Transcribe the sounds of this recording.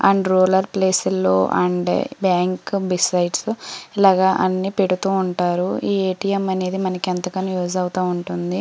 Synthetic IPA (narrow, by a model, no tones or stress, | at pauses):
ɐ̰ɳɖɾoːlɐɾpleːsulːo̰ːʔɐ̰ɳɖbaːŋkbisɐjʈsilaːɡɐʔɐnːiːpe̞ɽut̪uːɳʈaːɾuiːeːʈijemɐne̞ːd̪imɐnɐkent̪ɐkɐnijoːd͡ʒɐwut̪aːuɳʈund̪i